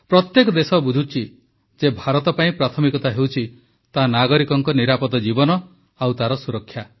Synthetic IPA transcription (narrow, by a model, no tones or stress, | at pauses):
pɾɔt̪jekɔd̪esɔbud͡ʒʱut͡ʃʰi | d͡ʒebʱaɾɔt̪ɔpaĩpɾat̪ʰɔmikɔt̪aɦewt͡ʃʰi | t̪anaɡɔɾikɔŋkɔniɾapɔt̪ɔd͡ʒibɔnɔ | awt̪aɾɔsuɾɔkʰːja